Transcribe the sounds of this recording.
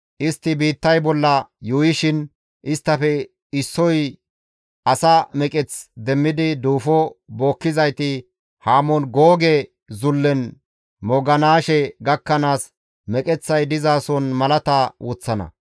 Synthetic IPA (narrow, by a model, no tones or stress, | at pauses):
ʔɪst̪ːɪbiːt̪ːɐjbɔlːɐjuːjɪʃɪn | ʔɪst̪ːɐfɛ | ɪsːɔj | ɐsɐmɛkʼɛt͡sd̪ɛmːɪd̪ɪd̪uːfɔbo̞ːkːɪzɐjt̪ɪ | haːmɔnɡoːɡɛ | zʊlːɛn | mɔɡɐnaːʃɛɡɐkːɐnaːs | mɛkʼɛt͡sːɐjd̪ɪzaːsɔnmɐlɐt̪ɐwʊt͡sːɐnɐ̰